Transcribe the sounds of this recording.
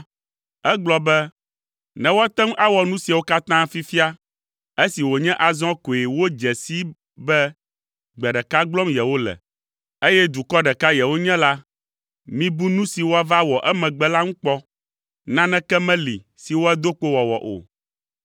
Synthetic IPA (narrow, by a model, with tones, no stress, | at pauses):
ɛ˦ɡ͡blɔ˨bɛ˦ | nɛ̃˨wo˦a˦t̪ɛ˦ŋ˦ʔa˦wɔ˨nũ˦si˨a˨wo˦ka˦t̪ã˦fi˦fi˦a˦ | e˦si˨wo˨ɲɛ̃˦ʔa˨zɔ̃˦ko˨e˨wo˦d͡ʒɛ˨si˦ | bɛ˦ | ɡ͡bɛ˨ɖɛ˨ka˦ɡ͡blɔ˦mjɛ˨wo˦lɛ̰˨ | e˦jɛ˦d̪u˨kɔ˦ɖɛ˨ka˦jɛ˨wo˦ɲɛ̃˦la˦ | mĩ˦bu˦nũ˦si˨wo˦a˦va˦wɔ˨ʔɛ˦mɛ̃˨ɡ͡bɛ˦la˦ŋũ˦k͡pɔ˦ | nã˦nɛ̃˦kɛ˦mɛ̃˦lḭ˨ | si˨wo˦ɛ˦d̪o˦k͡po˦wɔ˨wɔ̰˨ʔo̰˨